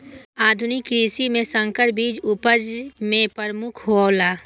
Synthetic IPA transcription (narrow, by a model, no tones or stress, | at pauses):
aːd̪ʱʊnɪkɾiːsimẽsə̃ŋkəɾ̚biːd͡ʒʊpəd͡ʒmẽpəɾmʊkʰɦoːlaː